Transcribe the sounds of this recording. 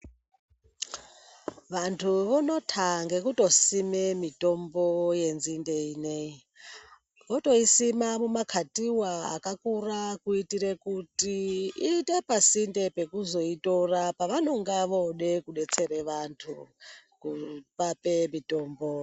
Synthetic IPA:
ʋantʰuʋono̞tʰaŋɡe̞kuto̞simemito̞mboje̞nzindeinei | koto̞isimamumakʰatiwaa̰kakurakuitiɾekutiite̞pasinde̞pe̞kuzo̞ito̞rapaʋano̞ŋɡaʋoɗe̞kuɗe̞t͡se̞ɾeʋantʰukupapemito̞ːmbo

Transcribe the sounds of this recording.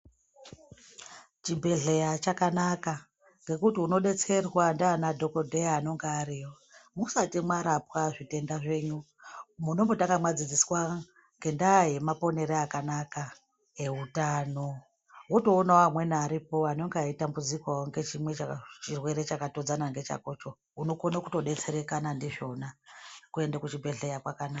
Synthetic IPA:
t͡ʃibʱe̞ɮe̞jat͡ʃakanaka | ŋɡe̞kutiuno̞ɗe̞t͡se̞rwandaːnadʱo̞ko̞dʱejaːno̞ŋɡeaɾijo̞ | musatimwaɾapwaʐite̞ndaʐe̞ɲu | muno̞mbo̞taŋɡamwad͡zid͡ziswa | ŋɡe̞ndaɦe̞mapo̞ne̞ɾeakanaka | e̞utano̞ | woto̞ːnaoamwe̞naɾipo̞ano̞ŋɡeaitambud͡zikwawoŋɡe̞t͡ʃimwe̞t͡ʃat͡ʃirwe̞ɾe̞t͡ʃakato̞d͡zanaŋɡe̞t͡ʃa̰ko̞t͡ʃo̞ | uno̞konakuto̞ɗe̞t͡se̞ɾe̞kanandiʐo̞nakue̞ndakut͡ʃibʱe̞ɮejakwakanaka

